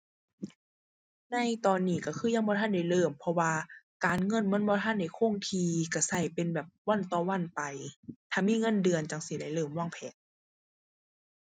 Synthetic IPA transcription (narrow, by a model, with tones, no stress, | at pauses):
na˧˥jt̪ɔː˨nːiː˧˩ka˧˩kʰɯː˧˥˨ja˧˨ŋbɔː˧˨t̪ʰa˧˥˨da˧˩jlɤː˧˩mpʰɔ˧waː˧kaː˨nŋɤ˧˥˨nmɯ˧˥˨nbɔː˧˨t̪ʰa˧˥˨nda˧˩jkʰo˧˥˨ŋt̪ʰiː˧ka˧˩sa˧˩jpe˨nbɛː˨˩p̚wɔ˧˥˨nt̪ɔː˧˩wa˧˥˨npa˨jt̪ʰaː˧˩miː˧˥˨ŋɤ˧˥˨ndɯ˨˧ənt͡ɕa˨˧˩ŋsi˧˦da˧˩jlɤː˧˩˨mwa˧˥˨ŋpʰɛː˨˦t̪̚